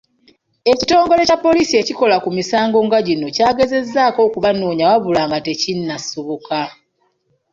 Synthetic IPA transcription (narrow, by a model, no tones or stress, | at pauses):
e̞cito̞ːŋɡo̞le̞capːo̞lisie̞ciko̞lakumisaːŋɡo̞ŋɡaɟino̞caːɡe̞ze̞zːaːko̞ːkuβanuːɲawaβulaːŋɡate̞cinːasuβuka